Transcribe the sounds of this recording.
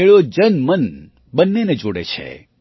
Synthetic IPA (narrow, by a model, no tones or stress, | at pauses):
eɭod͡ʒənmən | bənːened͡ʒoɽḛt͡ʃʰḛ